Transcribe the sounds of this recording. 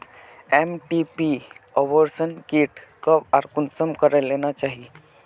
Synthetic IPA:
emʈipiɔʋəɾsənkiʈkəbaɾkunsəmkəɾəlːenat͡ʃaɦi

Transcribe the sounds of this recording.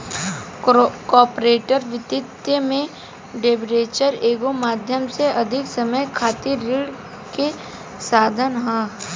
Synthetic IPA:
kɔːpɾeːʈəɾʋɪt̪ɪt̪jəmẽ | ɖeːbɾeːt͡ʃəɾeːɡomaːd̪ʱjəmseʔɐd̪ʱɪksɐməjkʰaːt̪iɾːɪɽ | ke | saːd̪ʱənɦɛ̃

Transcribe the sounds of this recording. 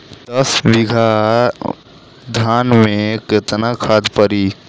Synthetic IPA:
d̪ɐsʋiɡʱa | d̪ʱaːnmẽket̪nakʰad̪pəɾiː

